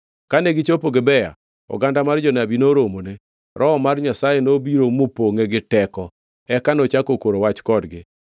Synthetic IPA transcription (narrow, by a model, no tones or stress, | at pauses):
kaneɡɪt͡ʃopoɡɪbɛja̰ | ɔ̰ɡandamard͡ʒɔnabinoɾomone | ɾʔɔɔmarɲasajenobiɾomopoŋeɡɪtɛkɔ | ɛkanot͡ʃakokoɾowat͡ʃkɔdɡɪ